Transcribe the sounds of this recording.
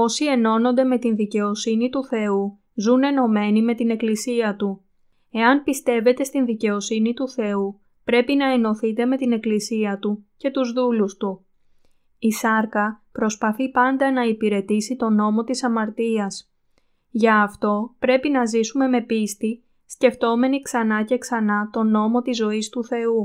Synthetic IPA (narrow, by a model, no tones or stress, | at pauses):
o̞sie̞no̞no̞nd̪e̞me̞t̪inðice̞o̞sinit̪uθe̞u | zune̞no̞me̞nime̞t̪ine̞klisiɐt̪u | e̞ɐnpist̪e̞ve̞t̪e̞st̪inðice̞o̞sinit̪uθe̞u | pɾe̞pinɐe̞no̞θit̪e̞me̞t̪ine̞klisiɐt̪uce̞t̪uzðulust̪u | isɐɾkɐpɾo̞spɐθipɐnd̪ɐnɐipiɾe̞t̪isit̪o̞no̞mo̞t̪isɐmɐɾt̪iɐs | ʝɐːft̪o̞pɾe̞pinɐzisume̞me̞pist̪i | sce̞ft̪o̞me̞niksɐnɐce̞ksɐnɐt̪o̞no̞mo̞t̪izo̞ist̪uθe̞u